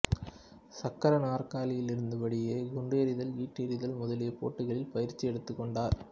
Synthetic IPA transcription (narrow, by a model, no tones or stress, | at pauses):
sɐkːɐɾɐnaːrkaːlɪjɪlɪɾɯnd̪ɐʋɐɽɪjeːɡʊɳɖeːɾɪðɐlʋiːʈːeːɾɪðɐlmʊðɐlɪjɐpo̰ːʈːɯɣɐɭɪlpɐjɪɾt͡ʃːiɛɽɯt̪ːɯkːɔɳɖaːɾ